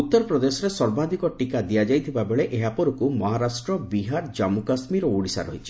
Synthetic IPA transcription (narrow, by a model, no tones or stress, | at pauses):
ut̪ːɔɾɔpɾɔd̪esɔɾesɔɾbad̪ʱikɔʈikad̪iad͡ʒajt̪ʰibabeɭeʔeɦapɔɾukumɔɦaɾasʈɾɔbiɦaɾd͡ʒamukasmiɾɔuɽisa̰ɾɔ̰ɦit͡ʃʰi̥